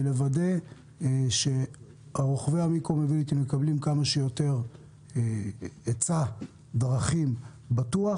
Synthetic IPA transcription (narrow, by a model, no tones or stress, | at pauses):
levade̞ | ʃe̞ | aʁoχveamikomevilit̪ime̞kablimkamaʃejo̞t̪e̞ʁ | et͡sa | d̪ʁaχim | batua